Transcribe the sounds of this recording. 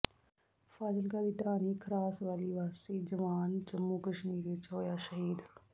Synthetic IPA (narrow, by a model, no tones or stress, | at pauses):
fʰaːzəlkaːd̪iːʈaːniːkʰəɾaːsʋaːliːʋaːsiːd͡ʒəʋaːnd͡ʒəmːuːkəʃmiːɾit͡ʃoːjaːʃəɦiːd̪